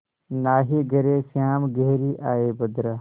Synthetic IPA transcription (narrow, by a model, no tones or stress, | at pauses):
naːɦiɡɐɾesaːmɡeɦɾiʔaːebɐd̪ɾɐ